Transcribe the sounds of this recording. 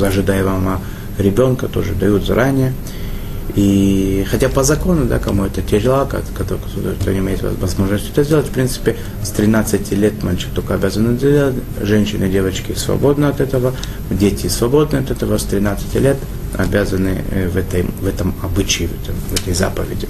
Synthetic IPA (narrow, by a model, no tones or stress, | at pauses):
ɐʐɨd̪ajvama | ɾʲɪbʲo̞nkət̪o̞ʐɨ̰d̪ɐjut̪zɐɾʔanʲɪjə | ixɐtʲapəzɐko̞nʊd̪a̰kɐmuɛt̪ətʲɪɾʲɪlˠakɐ̰kɐt̪o | t̪o̰nʲɪmʲejɪt̪vɐ̰vɐzmo̞ʐnəsʲtʲɛt̪əzʲdʲe̞lˠətʲfpɾʲint̪sɨ̥pʲɪ | st̪ɾʲɪnat̪sɨtʲɪlʲet̪malʲt͡ɕɪ̥kt̪okəɐbʲazənɨdʲdʲelˠətʲ | ʐɛnʲɕɪnɨdʲe̞vət͡ɕkʲɪsvɐ̰bo̞d̪nəɐt̪ɛt̪əvə | dʲetʲɪsvɐbo̞d̪nɨɐt̪ɛt̪əvəst̪ɾʲɪnat̪sɨ̥tʲɪlʲet̪ | ɐ̰bʲazənɨ̰vɛt̪əjvɛt̪əmɐbɨt͡ɕɪɪɛt̪əvɛt̪əjza̰pəvʲɪ̰dʲɪ